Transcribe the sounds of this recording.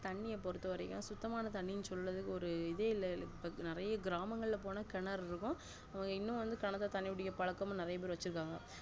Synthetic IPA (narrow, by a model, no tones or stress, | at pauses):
t̪ɐɳːɪjɐpɔɾɯt̪ːɯʋɐɾɐkːɐ̃sʊt̪ːɐmaːnɐt̪ɐɳːɪnɯsɔlrɐðɯkːɯɔɾɯɪðeːɪlːɐɪpːɐnɪɾɐjɐɡɪɾaːmɐŋɡɐɭɪlɐpoːnɐkɛɳɐɾɪɾɯkːʊ̃ | ɐʋɐŋɡɐɪnːʊ̃ʋɐnd̪ɯkɐɳɐt̪ːɐt̪ɐɳːɪʋɪɽɪjɐpɐɭɐkːɐmʊ̃nɪɾɐjɐp̬eːɾɪʋɐt͡ʃːɯɾɯkːaːŋɡɐ̰